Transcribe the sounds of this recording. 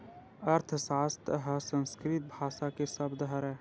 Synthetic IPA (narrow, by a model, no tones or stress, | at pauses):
ɐɾt̪ʰsaːst̪ɦəsə̃nskɾit̪̚bʱaːʃakesɐbd̪ɦəɾɦɛː